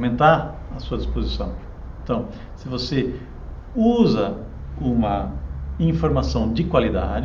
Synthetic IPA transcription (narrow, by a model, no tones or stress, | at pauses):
mẽnt̪aɾɐsuɐd͡ʒispozisɐ̃w̃ | ẽnt̪ɐ̃w̃ | sɪvose | uzɐ | ũmɐĩfoɾmasɐ̃w̃d͡ʒɪkwalid̪a̰d͡ʒ